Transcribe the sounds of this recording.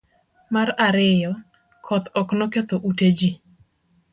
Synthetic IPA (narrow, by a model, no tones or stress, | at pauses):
maɾaɾɪjɔ | kʰɔt̪ɔknoket̪oʔuted͡ʒi